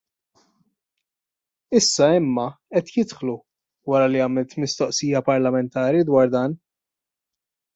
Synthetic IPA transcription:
ɪsːɐɪmːɐɛt̪jɪt̪ħlu | wɐɾɐliɐːmɪlt̪mɪst̪ɔʔsijɐpɐɾlɐmɛnt̪ɐːɾid̪wɐːɾd̪ɐːn

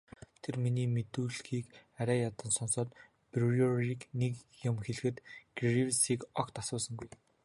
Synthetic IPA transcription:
t̪ʰerminiːmet̪uːɮxiːkæɾʲæːjat̪ə̆nsɔnsɔːt̪ | priɔriːknekjʊmxeɮɘ̆xɘ̆t̪ɡ̥riwsiːkɔkt̪asʊːsə̆ŋɡuj

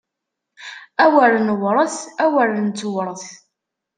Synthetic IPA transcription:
æwəɾnəwɾˤəθæwəɾnt͡sːwɾˤəθ

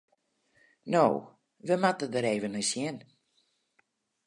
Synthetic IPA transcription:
no̰w | ʋəmatədəɾeːvənəsjɪn

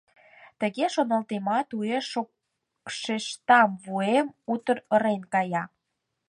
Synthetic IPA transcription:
t̪ə̆ɣeʃonə̆lt̪emɑt̪ueʃo | ʃeʃt̪ɑmβuemut̪əɾə̆ɾenkɑjɑ

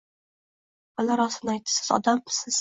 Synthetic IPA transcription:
alaɾɒsɪnajt̪̚ːɪ̥sɪ̥zɒ̰d̪almɪ̥sɪz̥

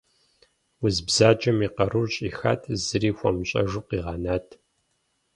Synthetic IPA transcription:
wʊzbzaːd͡ʒʼɐmiqɐɾuɕʼiːxa̰ːtʰzɨriːxʷɔmɕʼɐ̰ʒuqiːʁɑːnaːtʰ

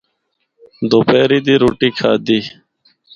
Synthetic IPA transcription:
d̪opeːɾid̪iɾuʈiːkʰaːd̪iː

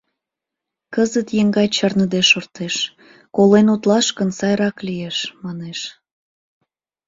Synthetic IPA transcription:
kəzət̪jeŋɡɑjt͡ɕɑrnəd̪eʃort̪eʃ | kolenut̪lɑʃkənsɑjɾɑklijeʃmɑneʃ

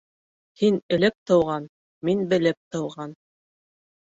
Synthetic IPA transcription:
hinɘ̆lɘp̚t̪ɤ̆wʁɑn | minbɘ̆lɘp̚t̪ɤ̆wʁɑn

